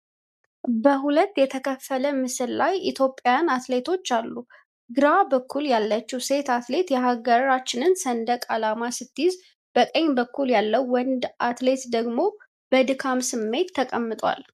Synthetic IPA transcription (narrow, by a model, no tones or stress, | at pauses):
bəɦulət̪ːjɛt̪ʰəkʰəfːələmɨsɨllajʔit̪ʰjo̞pʼːjanat̪le̞t̪ʰo̞t͡ʃːalːu | ɡɨɾabəkːuljalːət͡ʃːiwse̞t̪at̪le̞t̪jɛɦaɡəɾat͡ʃːɪnɨnsənd̪əkʼalamasɨt̪ːɨjɪz | b̥əkʼəɲːbəkːuljalːəwːɔnd̪ʔat̪le̞t̪d̪əɡmo̞ | b̥əd̪ɨkʰamsɨmːe̞t̪ʰːəkʼəmːɨt̪ʼwa̰l